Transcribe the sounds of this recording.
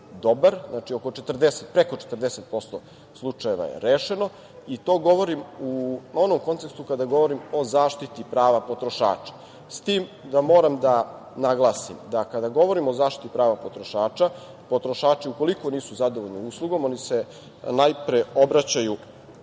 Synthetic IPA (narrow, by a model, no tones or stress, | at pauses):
d̪o̞baɾznat͡ʃio̞ko̞t͡ʃet̪r̩d̪eset̪̚pɾe̞ko̞t͡ʃet̪r̩d̪eset̪̚po̞st̪o | slˠut͡ʂaje̞ʋa̰jḛɾeːʃe̞no̞ | it̪o̞ːɡo̞ʋo̞ɾimuo̞nomko̞nt̪sekst̪ukad̪aɡo̞ʋo̞ɾimo̞zaːʃt̪it̪ipɾaːʋapo̞t̪ɾoʃa̰ːt͡ʃḁ | st̪iːmd̪amo̞ːɾamd̪a | naɡlˠaːsḭmd̪akad̪aɡo̞ʋo̞ɾimo̞zaːʃt̪it̪ipɾaːʋapo̞t̪ɾo̞ʃaːt͡ʃa | po̞t̪ɾo̞ʃaːt͡ʂiuko̞liko̞niːsuzad̪oʋoʎnouslˠuɡo̞mo̞nise̞ | najpɾeo̞bɾat͡ɕaju